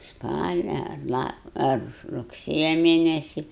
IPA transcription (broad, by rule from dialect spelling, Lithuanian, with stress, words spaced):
ˈspɑːlʲɛ ɐr ˈlˠɐ ɐr rʊkˈsʲeːjɛ ˈmʲeːnʲɛsʲɪ